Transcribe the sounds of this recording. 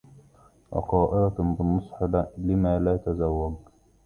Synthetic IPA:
wʔɑ̰qɑːʔɪɾɑbɪnːʊsˤħɑd̪alɪmaːlaːt̪azawːaɡ

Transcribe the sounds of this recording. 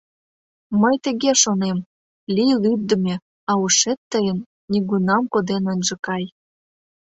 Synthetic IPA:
məjt̪ə̆ɣeʃonem | lʲijlyb̚d̪ə̆mʲe | ɑuʃet̪ːəjənːʲiɣunɑmkod̪enənʲʒɤ̆kɑj

